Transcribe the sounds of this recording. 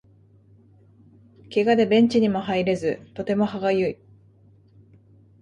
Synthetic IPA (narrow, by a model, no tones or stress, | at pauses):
ke̞ɡad̪e̞bẽ̞ɲ̟t͡ɕiɲ̟imo̞ɦaiɾe̞zɨt̪o̞t̪e̞mo̞ɦaɡajɯ̟i